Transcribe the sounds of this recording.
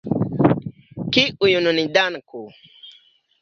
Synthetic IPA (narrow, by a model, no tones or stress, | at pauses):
kiujununidanko